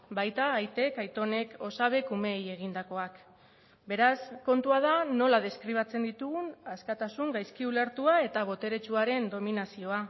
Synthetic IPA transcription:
bajt̪aːjt̪e̞kajt̪o̞ne̞ko̞saβ̞e̞kume̞je̞ɣ̞ind̪ako̞ak | be̞ɾasko̞nt̪uað̞ano̞lað̞e̞skɾiβ̞at͡se̞nd̪it̪uɣunaskat̪asuŋɡajskiule̞ɾt̪uae̞t̪aβo̞t̪e̞ɾe̞t͡ʃuaɾe̞nd̪o̞minasio̞a

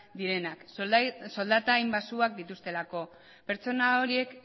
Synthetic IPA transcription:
d̪iɾe̞nakso̞ld̪at̪aːjmbasuak̚d̪it̪ust̪e̞lako̞ | pe̞ɾt͡so̞nao̞ɾie̞k

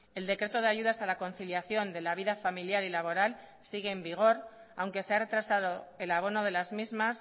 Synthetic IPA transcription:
e̞ld̪e̞kɾe̞t̪o̞ðe̞aʝuðasalako̞nθiljaθjo̞nd̪e̞laβ̞iðafamiljalilaβ̞o̞ɾal | siɣe̞ːmbiɣ̞o̞ɾ | a̰wŋke̞se̞are̞t̪ɾasaðo̞e̞laβ̞o̞no̞ð̞e̞lazmizmas

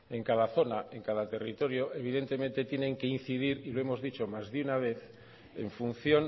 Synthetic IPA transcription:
e̞ŋkaðaθo̞naeŋkaðat̪e̞rit̪o̞ɾjo̞ʔe̞β̞iðe̞nt̪e̞mẽ̞nt̪e̞t̪je̞nẽ̞ŋkein̟θiðiɾilo̞e̞mo̞zðit͡ʃo̞mazðeunaβe̞θ | e̞̰ɱfun̟θjo̞n

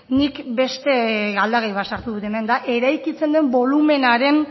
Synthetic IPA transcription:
nikbe̞st̪e̞ɣald̪aɣejβat̪saɾt̪uðut̪eme̞nd̪aʔe̞ɾajkit͡se̞nd̪e̞mbo̞lume̞naɾe̞n

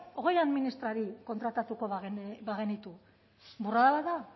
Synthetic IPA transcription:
o̞ɣ̞e̞jaðminist̪ɾaɾiko̞nt̪ɾat̪at̪uko̞βɣβaɣe̞nit̪u | buraðalaða

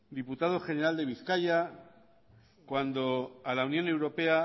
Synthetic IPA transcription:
d̪iput̪aðo̞χe̞ne̞ɾald̪e̞β̞iθkaʎa | kwand̪o̞alaunjõ̞ne̞wɾo̞pe̞a

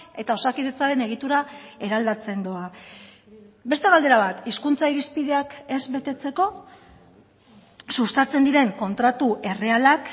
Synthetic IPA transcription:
e̞t̪ao̞sakiðe̞t͡saɾe̞ne̞ɣ̞it̪uɾae̞ɾald̪at͡se̞nd̪o̞a | be̞st̪e̞ɣald̪e̞ɾaβ̞at̪iskunt͡saiɾispið̞e̞ake̞zβe̞t̪e̞t͡se̞ko̞ | sust̪at͡se̞nd̪iɾe̞ŋko̞nt̪ɾat̪uʔe̞re̞alak

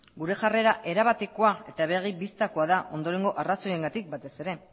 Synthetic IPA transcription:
ɡuɾe̞ʝare̞ɾaʔe̞ɾaβat̪e̞ko̞ae̞t̪aβe̞ɣ̞ibist̪ako̞aðaʔo̞nd̪o̞ɾe̞ŋɡo̞ʔaraso̞je̞ŋɡat̪ik̚bat̪e̞se̞ɾe̞

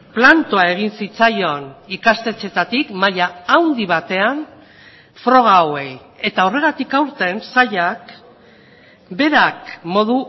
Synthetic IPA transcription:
plant̪oae̞ɣ̞insit͡sajo̞nikast̪e̞t͡se̞t̪at̪ikmaʎaːwnd̪iβ̞at̪e̞an | fɾo̞ɣ̞aoe̞j | e̞t̪aore̞ɣ̞at̪ikawɾt̪e̞nsaʎak | be̞ɾakmo̞ð̞u

